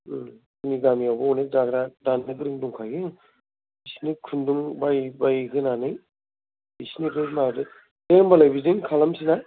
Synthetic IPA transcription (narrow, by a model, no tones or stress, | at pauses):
niɡamijawbɯɔnek̚daɡɾadanɯɡɯɾɯŋduŋkʰajɡeŋ | isnikʰunduŋbajbajɡʰɯnanɯj | isnikɯmadɯ | deŋbalajbizɯŋkʰalamsina